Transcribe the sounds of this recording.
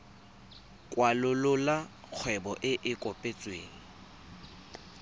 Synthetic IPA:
kʼwalʊlʊla | k͡xʰwɛbɔʔɪʔɪkʼɔpʼet͡sʼweːŋ̩

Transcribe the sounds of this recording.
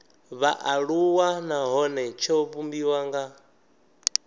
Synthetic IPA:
βaʔaɺuwanaɦɔnɛt͡ʃʰɔβumbiwaŋɡa

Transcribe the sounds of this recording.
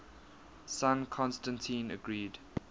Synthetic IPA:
sãnkʰɔ̃nstə̃ntʰĩːnə̰ɡɹiːd

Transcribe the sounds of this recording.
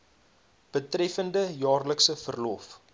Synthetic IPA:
b̥ətrɛfəndəjɑːrləksəfərlɔf

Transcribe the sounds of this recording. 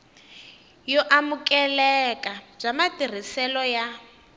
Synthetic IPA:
jɔʔamukʼɛlɛkʼab͡ʐamatir̤isɛlɔja

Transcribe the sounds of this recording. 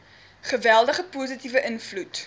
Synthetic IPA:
χəvælˠdəχəpuːzitivəʔənflut

